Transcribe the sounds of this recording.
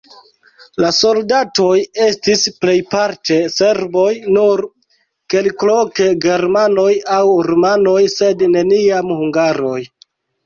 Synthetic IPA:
laso̞ldato̞je̞stisple̞jpaɾte̞se̞ɾbo̞jnuɾ | ke̞lkloke̞ɡe̞ɾmano̞jawɾomano̞jse̞dne̞niamhuŋɡaɾo̞j

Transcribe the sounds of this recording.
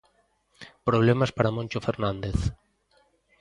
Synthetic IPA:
pɾoβlemaspaɾamõnʲt͡ʃofeɾnãnd̪eθ

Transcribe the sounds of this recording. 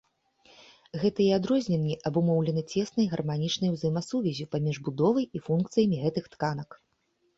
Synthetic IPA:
ɣɛt̪ɐiad̪ɾɔzʲnʲɛnʲːiʔɐbumɔwlʲɛnɐt͡sʲɛsnɐjɣɐrmanʲit͡ʂnɐjwzɐjɛmɐsuvʲɛzʲipamʲiʐbud̪ɔvɐjifunkt̪sɨjɐmʲiɣɛt̪ɨxt̪kan̪ɐk

